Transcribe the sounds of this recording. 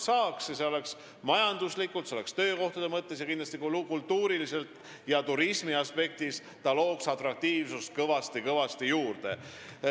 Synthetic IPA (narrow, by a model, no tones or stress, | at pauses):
sɑːksjɑseo̞le̞ks | mɑjɑnd̪uslikːˑult̪seole̞kst̪ø̞ːko̞ht̪ɑd̪̥e̞mɤt̪ːe̞s̬jɑkind̪lɑst̪ikkult̪ːuːɾilise̞lt̪ | jɑt̪uɾismiɑspe̞k̚t̪is | t̪ɑlo̞ːksɑt̪rɑk̚t̪iːvsust̪̚kɤvɑst̪ikɤvɑst̪ijuːrd̪̥e̞